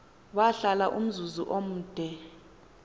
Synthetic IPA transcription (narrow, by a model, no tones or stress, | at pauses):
waɬalaʔum̩zuzuʔom̩ːd̥ʱɛ